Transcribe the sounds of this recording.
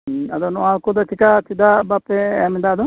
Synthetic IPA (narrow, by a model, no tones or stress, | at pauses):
ad̪ɔnɔalkɔd̪ɔt̪ʰikat̪ʰid̪abapɛɛmid̪aːd̪ɔ